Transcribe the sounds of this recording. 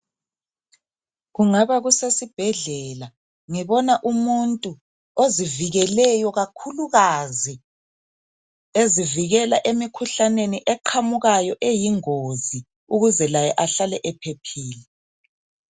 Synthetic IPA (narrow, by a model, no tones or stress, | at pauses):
ɣuŋaβaɣusesib̥ʱɛɮɛla | ŋiβɔnaʔumuntʼu | oziviɣɛlɛjɔɣakʰuluɣazi | eziviɣɛlaʔemikʰuɬaneniʔɛǃʰamuɣajɔʔejiŋozi | uɣuzɛlajɛʔaɬalɛʔɛpʰepʰiːlɛ